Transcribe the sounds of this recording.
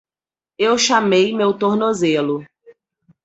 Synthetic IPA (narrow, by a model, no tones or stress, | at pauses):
ewʃamejmewt̪oɾnozelʊ